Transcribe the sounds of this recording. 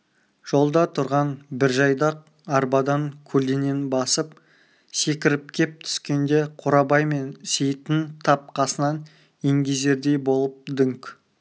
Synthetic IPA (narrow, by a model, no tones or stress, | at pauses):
ʒ̥o̞lˠd̪ɑt̪ʰʊɾʁɑnbɪɾʒɑjd̪ɑq̚ | ɑɾbɑd̪ɑŋkʲʰɵlene̞nbɑsəp | se̞kʲɪɾɪp̚kʲʰe̞p̚t̪ʰʏ̥skʲe̞nd̪e̞qʰʊɾɑbɑjme̞nsejt̪ɪnt̪ʰɑp̚qʰɑsənɑn | eŋɡʲeze̞ɾd̪e̞jbo̞lˠəp̚d̪ʏŋkʲ